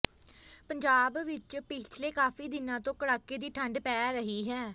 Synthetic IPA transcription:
pəɲd͡ʒaːbʋɪt͡ʃpɪt͡ʃʰleːkaːfiːd̪ɪnãːt̪õːkəɽaːkeːd̪iːʈʰəɳɖpɛːɾəɦiːɦɛː

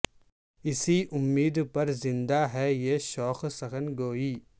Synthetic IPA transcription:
ɪsiʔʊmːiːd̪pɐɾzɪ̃nd̪aɦɛjeːʃɔːxsɐxənɡoːiː

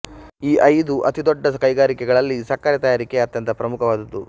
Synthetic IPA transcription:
iːʔɐjd̪uʔɐt̪id̪ɔɖːɐkɐjɡaːɾikɛɡɐɭɐlːisɐkːaːɾjɐt̪ɐjaːɾikeɐt̪jɐnt̪ʰɐpɾɐmukʰɐʋaːd̪ɐd̪ːu

